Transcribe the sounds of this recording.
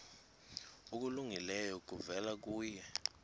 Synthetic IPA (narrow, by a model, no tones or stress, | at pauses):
uk̬uluŋilɛjɔk̬ʼuvɛlak̬uːjɛ